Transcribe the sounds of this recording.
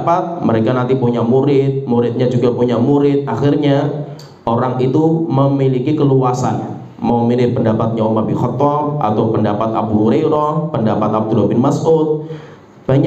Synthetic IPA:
pat̪̚məɾekanant̪ipuɲamuɾɪt̪̚muɾɪt̪̚ɲad͡ʒuɡapuɲamuɾɪt̪̚axɪrɲa | ʔoɾaŋit̪uməmilikikəluasa̰n | mawmilɪhpəndapat̪̚ɲaomabihɔt̪ɔrʔa̰t̪awpəndapat̪̚a̰b̚d̪uɦoɾeɾɔpəndapat̪ab̚d̪uɾbɪnmasʔut̪̚ | b̥aɲa

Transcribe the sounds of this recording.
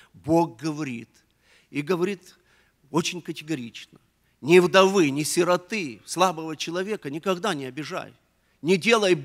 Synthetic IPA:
bo̞ɡ̚ɡəvɐɾʲḭt̪ | iɡəvɐɾʲit̪ | ot͡ɕɪnʲkətʲɪɡɐɾʲit͡ɕnə | nʲɪvd̪ɐvɨnʲɪsʲɪɾɐt̪ɨslˠabəvət͡ɕɪlˠɐvʲe̞kənʲɪkɐɡd̪anʲɪɐbʲɪʐa̰j | nʲɪdʲe̞lˠəj

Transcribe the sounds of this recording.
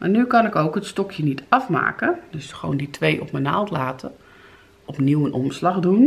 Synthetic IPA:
ma̰nykɑnɪkowkətstɔkʰjənitʰɑfma̰ːkədøsxo̰ːnditʰʋejʔɔpməna̰lˠtlaːtʰə | ɔpniwənʔɔmslaxdun

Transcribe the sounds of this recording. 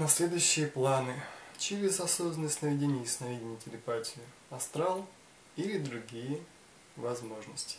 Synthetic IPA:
nɐsʲlʲe̞d̪ʊjʊɕːɪjəplˠanɨt͡ɕɪɾʲɪzɐsobzənəsʲtʲnəvʲɪdʲenʲɪjsʲnɐvʲidʲɪnʲɪtʲɪlʲɪpatʲɪɪ | ɐst̪ɾalˠ | ilʲɪd̪ɾʊɡʲijə | vɐzmo̞ʐnəsʲtʲɪ̥

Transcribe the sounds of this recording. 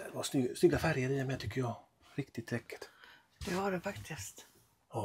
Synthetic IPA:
ɛvasnʏsnʏɡːafæɾjəɾiːamɛːt̪ʏkːəɾjɑː | ɾɪkt̪ɪt̪ʰːɾɛkːɪ̥t̪ | d̪̥ɛaɖɛfakt̪ʰɪst̪ | ɑː

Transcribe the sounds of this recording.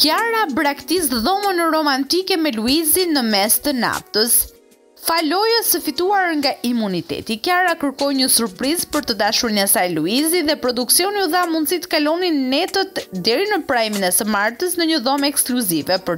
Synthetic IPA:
kjaɾabɾakt̪is̬ðɔmənɾɔmant̪ikɛmɛluizinəmɛst̪əna̰ft̪əs | falɔjɛsəfit̪uaɾŋɡaʔimunit̪ɛ̰t̪ikaɾakəɾkɔjɲəsuɾpɾizpəɾt̪əd̪aʃuɾnasajluiziðɛpɾɔd̪uksiɔniuθamund̪sit̪kalɔninːɛt̪ət̪d̪ɛɾinəpɾaminɛsəmaɾt̪əsnəɲəðɔmɛkskluzivɛpə

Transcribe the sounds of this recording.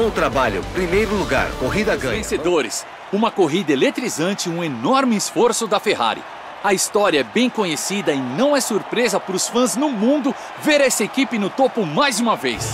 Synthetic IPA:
õt̪ɾabaʎʊ̰pɾimejɾʊluɡa̰ɾkoɦid̪ɐɡɐ̃ẽsed̪oɾɪ̰s | ũmɐkoɦid̪ɐelet̪ɾizɐ̃nt͡ʃɪũenɔɾmɪːsfoɾsʊd̪ɐfeɦa̰ɾḭ | ɐist̪ɔɾiɐɛbẽj̃kõɲesid̪ɐɪnɐ̃w̃ɛsuɾpɾezɐpʊɾʊsfɐ̃znʊmũnd̪ʊ | veɾɐɛsɐekipɪnʊt̪opʊmajzũmɐvejs

